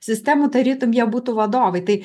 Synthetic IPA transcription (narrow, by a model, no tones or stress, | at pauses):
sɪst̪ɛmʊt̪ɐɾʲit̪ʊmjabut̪ʊʋɐd̪ɔʋɪjt̪ɐj